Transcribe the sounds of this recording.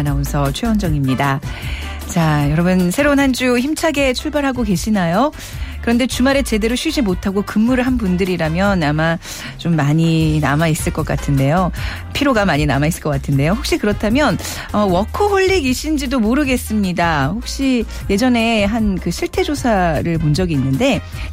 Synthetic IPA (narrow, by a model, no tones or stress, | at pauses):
naonsʰʌt͡ɕʰweʌnd͡ʑʌŋimɲida | t͡ɕajʌɾʌbɯnsʰe̞ɾounɦand͡ʑuçimt͡ɕʰaɡe̞t͡ɕʰuɭbaɾɦaɡoke̞ɕʰinajo | kɯɾʌnde̞t͡ɕumaɾe̞t͡ɕe̞de̞ɾoɕʰɥid͡ʑimotʰaɡokɯmːuɾɯɭɦanbundɯɾiɾamjʌnama | t͡ɕomːaɲina̰mais͈ɯɭk͈ʌk͈atʰɯnde̞jo | pʰiɾoɡamaɲinamais͈ɯ̥ɭkʌk͈atʰɯnde̞johok̚ɕ͈ikɯɾʌtʰamjʌn | ʌwʌkʰʌɸoʎːiɡiɕ͈ʰind͡ʑidomoɾɯɡe̞s͈ɯmɲidahok̚ɕ͈i | je̞d͡ʑʌne̞ɦankɯɕʰiɭtʰe̞d͡ʑosʰaɾɯɭmond͡ʑʌɡiːnːɯnde̞